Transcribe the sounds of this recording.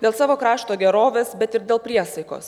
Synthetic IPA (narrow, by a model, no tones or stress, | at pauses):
d̪ʲeːlˠsɑːʋoːkɾɑːʃt̪oːɡʲɛɾoːʋʲeːsbʲɛt̪ɪɾd̪ʲeːlˠpʲɾʲiɛsɐɪko̰ːs